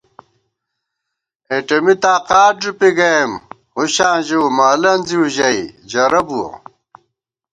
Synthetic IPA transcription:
eʈɐmit̪aːqaːd͡ʑupiɡɐem | huɕãːʑiwmaːlɐnziuʑɐid͡ʑɐɾɐbuo̰

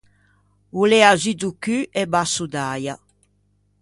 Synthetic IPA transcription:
ulɛazid̪ukyʔɛbasud̪aja

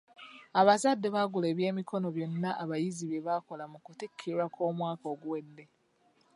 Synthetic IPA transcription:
aβazadːeβaɡule̞ːβje̞ːmikʰo̞no̞βjo̞nːaʔaβajiziβjeβako̞lamukutikʰːiɾwako̞ːmwaːkoːɡuwe̞dːe̞

